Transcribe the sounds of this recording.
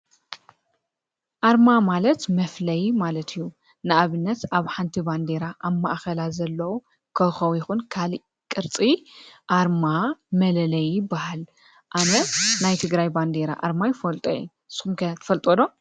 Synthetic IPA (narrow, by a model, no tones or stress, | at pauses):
ʔaɾmamalɐt̪mɐflɐjmalɐt̪ʰijːu | nɨʔaβɨnːɐt̪aβħant̪ʰiband̪eɾaʔaβma̰ʔxɐlazɐlːɐwo | kʰɐxɐwjɪxunkʰaliʔ | kʼɨɾt͡sʼiʔaɾmamɐlɐlɐjɪbːahal | ʔanɐnajt̪ʰɨɡɾajband̪eɾa̰ʔa̰ɾmajɪfɐlt̪ʼo̰jṵ | sxumkʰɐt̪ʰɐfɐlt̪ʼod̪o